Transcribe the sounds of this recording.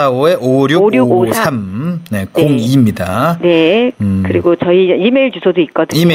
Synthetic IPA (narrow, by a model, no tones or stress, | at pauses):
aoe̞ʔoɾjoɾjuosʰamne̞koŋimɲida̰ne̞kɯɾiɡot͡ɕʌiimeɭt͡ɕusʰodoik͈ʌdɯime